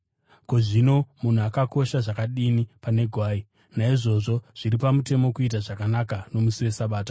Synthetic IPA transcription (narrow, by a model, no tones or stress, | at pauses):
ko̞ʐino̞mun̤uakako̞ʃaʐakaɗinipane̞ɡʱwaːi | naiʐo̞ʐo̞ʐ̥iɾipamute̞mo̞kuit̬aʐakanakano̞musiwe̞saɓaːta